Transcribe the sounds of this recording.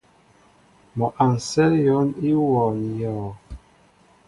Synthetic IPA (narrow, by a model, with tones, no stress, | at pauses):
mɔ˨ʔa˨n˨sɛ˦ljɔ˨˦ni˦wɔ˨n˨jɔ˨